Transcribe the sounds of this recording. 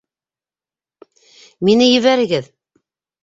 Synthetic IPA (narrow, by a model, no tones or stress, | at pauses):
minɘjɘ̆βæɾɘ̆ɡɘð